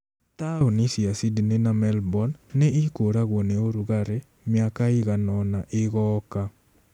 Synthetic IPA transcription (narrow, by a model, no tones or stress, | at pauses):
t̪aonɪsiasidnenamɛlbɔnːɛɪkoɾaɣwoneoɾuɣaɾɛ | mɪakaɪɣanɔnaʔɪɣɔka